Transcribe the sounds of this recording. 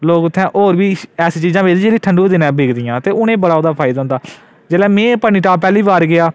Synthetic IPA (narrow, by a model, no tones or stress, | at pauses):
loːkʊt̪ʰːɛ̃ːʔoːɾbiːɛːsiːt͡ʃiːzãːbeːd̪id͡ʒeːliːʈʰəɳɖuːiːd̪ɪnãːbʱeːkʰd̪ijãːt̪eːʊnẽːbəɽaːod̪aːpʰaːɪd̪aːɦʊnd̪aː | d͡ʒeːlɛːmẽːpəniːʈaːpɛːliːbaːɾɡɪaː